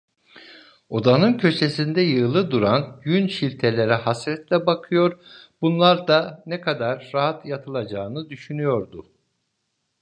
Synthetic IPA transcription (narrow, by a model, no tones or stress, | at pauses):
o̞d̪anɯncʰø̞t͡ʃesind̪ɛjɯlˠɯd̪uɾanɟynʃilʲt̪ʰelʲe̞ɾɛhasɾɛt̪lʲɛbakʰɯjo̞ɾbunlˠaɾd̪anɛkʰad̪aɾːaɦat̪jat̪ʰɯlˠad͡ʒaːɯnɯd̪yʃynyjo̞ɾd̪u